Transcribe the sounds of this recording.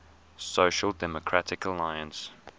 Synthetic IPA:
soʊʃəlˠdɛmɔkʰɹ̥atʰɪkəlaɪə̃ns

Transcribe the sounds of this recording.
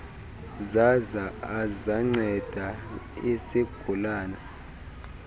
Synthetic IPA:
zazaːzaŋ͡ǀɛd̥ʱaɛseɡ̥ʱulaːna

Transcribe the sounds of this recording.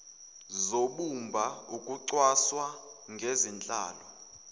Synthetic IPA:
zoɓumbʱaukʼuǀwaswaŋɡʱezint͡ɬʼa̰ːlɔ

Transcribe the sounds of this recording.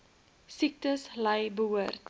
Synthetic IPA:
sik̚təslɐjbəɦuərt

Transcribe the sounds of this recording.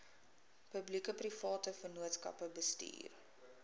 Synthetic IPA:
pəblikəprifɑːtəfərnuətskɐ̰pəbəstḭːr

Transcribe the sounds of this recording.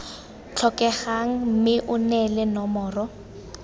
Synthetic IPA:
t͡ɬʰɔkɛχaŋ̩mɪʔʊnɛlɛnɔmɔːrɔ

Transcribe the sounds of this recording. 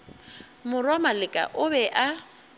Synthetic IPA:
mʊrwamalɪkʼa̰ʔʊbɛʔa

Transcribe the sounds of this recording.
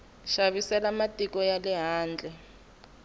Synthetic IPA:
ʃaβisɛlamatʼikɔjalɛɦaːnd͡ɮʱɛ

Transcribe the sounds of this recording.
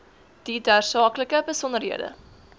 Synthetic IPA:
d̥idæːrsɑːkləkəbəsɔnəɾɦiədə̰

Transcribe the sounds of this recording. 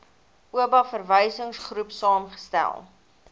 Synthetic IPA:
ʔuəbɐfərvəjsəŋsχrupsɑːmχə̥stæ̰lˠ

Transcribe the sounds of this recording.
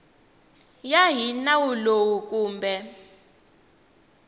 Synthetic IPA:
jaɦinawulowuk̬ʼuːmbʱɛ

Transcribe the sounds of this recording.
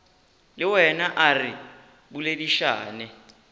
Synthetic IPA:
lɪwɛnaʔarɪ | bulediʃa̰ːnɛ

